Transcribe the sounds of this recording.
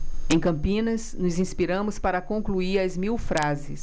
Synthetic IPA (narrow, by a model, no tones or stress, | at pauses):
ẽj̃kɐ̃mpĩnɐsnʊzĩspiɾɐ̃mʊspaɾɐkõŋkluiɾɐzmiwfɾazɪs